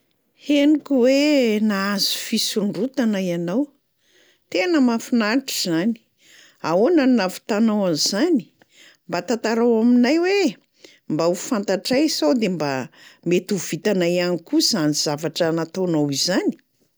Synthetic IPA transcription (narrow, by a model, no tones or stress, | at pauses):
henikʲuwenaazu̥fisuɳɖ͡ʐut̪anajanaw | t̪enəmafunaʈ͡ʂizani̥ | aonannavi̥t̪anawanzani̥ | mbat̪at̪aɾawaminajwe | mbaufant̪aʈ͡ʂajsawd̪embamet̪uvit̪anajanikuzaniz̥avaʈ͡ʂənat̪onawizani̥